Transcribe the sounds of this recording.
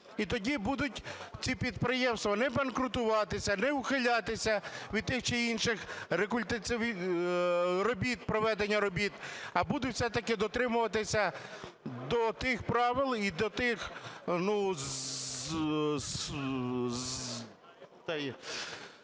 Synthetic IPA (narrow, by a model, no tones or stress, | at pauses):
it̪ɔdʲibud̪ʊtʲt͡sʲipʲid̪pɾɪjɛmst̪ʋɐnɛbɐnkɾʊt̪ʊʋɑt̪ɪsʲɐnɛʊxɪlʲɑt̪ɪsʲɐʋʲid̪̚t̪ɪxt͡ʃɛinʃɪxɾekʊlʲt̪ɐt͡s̪ʲɪ | rɔbʲit̪̚pɾɔʋɛd̪enʲːɐɾɔbʲit̪ɐbud̪ʊtwsɛt̪ɐkɪd̪ɔt̪ɾɪmʊʋɐt̪ɪsʲɐ | d̪ɔt̪ɪxpɾɑʋɪlˠid̪ɔt̪ɪxnu | t̪ɛj